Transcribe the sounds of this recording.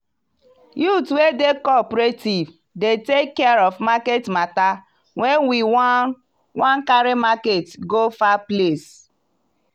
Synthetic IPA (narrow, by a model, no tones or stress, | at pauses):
jutwedekɔpɾetiv | detekːɛaɾɔvmaketmata | wɛnwiw | wãnkaɾemaketɡofaples